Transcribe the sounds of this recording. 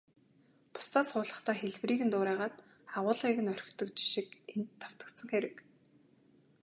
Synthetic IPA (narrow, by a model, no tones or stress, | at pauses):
pʊ̥st̪ʰaːsχʊːɮə̆χt̪ʰæːxeɮwriːɣɘ̆nt̪ʊːɾæːʁaːt̪ | aʁʊːɮʁiːɣɘ̆nœr̆ʲkt̪ɵ̆kt͡ɕɪ̥ʃikent̪ʰːaw̥t̪ə̆t̪sə̆ŋxeɾɘ̆k